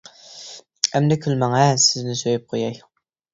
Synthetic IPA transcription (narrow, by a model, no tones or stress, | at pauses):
ɛmd̪ɛkʲʰylmæŋɛsɪznɪsøjyp̚qʰojɑj